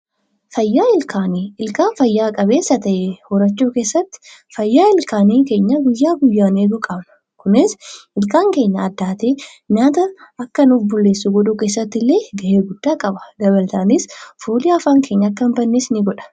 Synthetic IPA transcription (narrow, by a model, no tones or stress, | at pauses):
fɐjːaːɪlkʰaːniːɪlkaːnfɐjːaːkʼɐbe̞ːsːɐt̪ɐʔehɔɾɐt͡ʃːuːke̞ːsːɐt̪ːɪ̥fɐjːaːɪlkaːniːke̞ːɲːɐɡʊjːaːɡʊjːaːneːɡ̪ʊkʼɐbnɐ̥ | kʊnɪsɪlkaːŋke̞ːɲːɐːd̪ːaːt̪eː | ɲaːt̪ɐɐkːɐnuːfbʊlːe̞ːsːʊɡɔd̪uːke̞ːsːɐt̪ːɪlːe̞ːɡɐʔeːɡʊd̪̥ːaːkʼɐbɐ̥d̪ɐbɐlt̪aːnisfuːlɪɐfaːŋke̞ːɲːɐɐkːɐmbɐnːeːsnɪɡɔᶑɐ̥